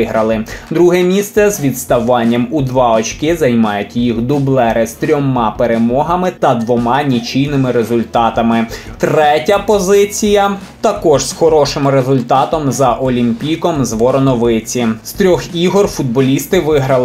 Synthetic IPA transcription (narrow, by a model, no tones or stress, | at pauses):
ɪɦɾɐlˠɪd̪ɾuɦɛmʲist̪sɛzʋʲid̪st̪ɐʋɑnʲːɐmud̪ʋɑɔt͡ʃʲkɪzɐjmɑjʊtʲjixd̪ʊblˠɛɾɪst̪ɾʲɔmɑpeɾemɔɦɐmɪt̪ɐd̪ʋɔmɑnʲit͡ʃijnɪmɪɾezʊlʲt̪ɑt̪ɐmɪt̪ɾɛtʲɐpɔzɪt͡sʲijɐ | t̪ɐkɔʒsxɔɾɔʃɪmrezʊlʲt̪ɑt̪ɔmzɐʔɔlʲimʲpʲijkɔmzʋɔɾɔnɔʋɪt͡sʲist̪ɾʲɔxiɦɔrfud̪̚bɔlʲist̪ɪʋɪɦɾɐlˠ